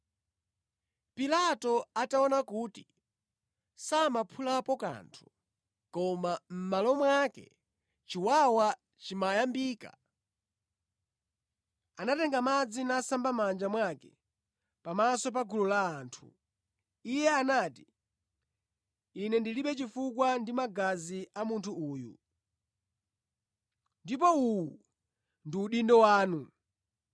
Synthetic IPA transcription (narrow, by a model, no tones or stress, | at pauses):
pilatɔataɔnakuːti | samapʰulapɔka̰ntʰu̥ | kɔmam̩malɔmwakɛ̰ | t͡ʃiwawa | t͡ʃimajambiːka̰ | anatɛŋɡamad͡zinasambamand͡ʒamwakɛ | pamasɔp̬aɡululaːntʰu̥̰ | ijɛanaːti | nɛndiliɓɛt͡ʃifukwandimaɡaziamuntʰuuːjṵ | ndipɔuwu | ndiuɗindɔwaːnu